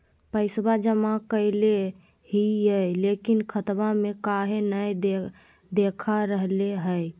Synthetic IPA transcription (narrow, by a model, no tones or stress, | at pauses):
pəɪsbad͡ʒəmakəɪle | hijəjlekinkʰət̪bamekaɦenəjd̪e | d̪ekʰaɾəɦleɦəj